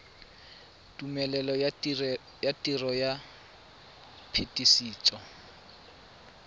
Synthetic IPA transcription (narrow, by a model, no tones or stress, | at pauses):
tʼumɛlɛlɔ | jatʼirɔja | pʰetʼisiːt͡sʼɔ